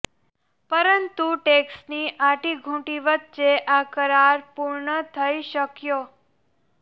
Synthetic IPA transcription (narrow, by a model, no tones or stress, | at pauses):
pəɾənt̪uʈeksniʔaʈiɡʱũʈiʋət̪̚t͡ʃeʔakəɾaɾpuɾɳət̪ʰəiʃəkjo